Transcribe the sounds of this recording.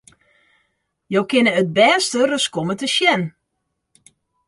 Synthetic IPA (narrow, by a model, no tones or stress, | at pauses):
jowkɪnəət̚bɛːstərəskomətəʃjɛn